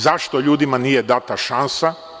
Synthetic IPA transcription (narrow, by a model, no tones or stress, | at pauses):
zaʃt̪oʎuːd̪imanijed̪at̪aʃansa